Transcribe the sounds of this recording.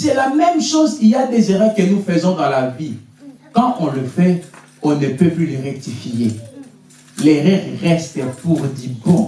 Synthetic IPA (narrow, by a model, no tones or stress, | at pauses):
sɛlamɛmʃozkilad̪ezeʁɛʁkənufəzɔ̃d̪ɑ̃lavi | kɑ̃ʔɔ̃ləfɛ | ɔ̃nəpøplyləʁɛk̚t̪ifije | lɛʁɛʁːɛst̪əpuʁd̪ibɔ̃